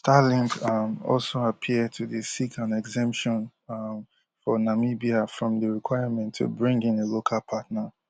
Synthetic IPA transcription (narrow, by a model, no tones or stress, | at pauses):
stalĩŋkʌmɔ̰lˠsoapʰid̚tʰuðesikʰãnɛɡzɛ̃mpʃɔ̃n | fɔnamibiafɹɔ̃mðəɹikʰw̥aɪəmɛ̃ntʰːṵbɹĩŋɡɪ̃nelokʰalˠpʰatnə